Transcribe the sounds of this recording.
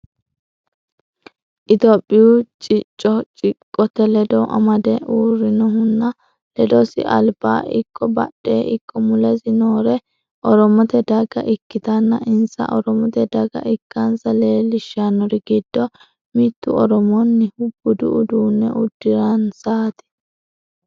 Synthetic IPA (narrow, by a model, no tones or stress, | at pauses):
ʔɪt̪oːpʼːɪjut͡ʃʼɪt͡ʃʼːɔt͡ʃʼɪkʼːɔt̪ɛlɛd̪ɔʔɐ̰mɐd̪ɛuːrːɪnɔɦʊnːɐ | lɛd̪ɔsɪ̰ʔɐ̰lba̰ːʔɪkʼːɔbɐ̰ɗːeːʔɪkʰʼːɔmʊlɛzɪnoːɾɛ | ʔɔɾɔmɔt̪ɛd̪ɐɡɐ̰ʔɪkːɪt̪ɐnːɐʔɪnsɐ̰ʔɔɾɔmɔt̪ɛd̪ɐɡɐ̰ʔɪkːɐnsɐle̞ːlɪʃːanːɔɾɪɡɪd̪ːɔ | mɪt̪ːʊɔɾɔmɔnːɪhʊbːʊd̪ʊʔʊd̪uːnːɛ̰ʔʊd̪ːɪɾɐnsaːt̪ɪ̥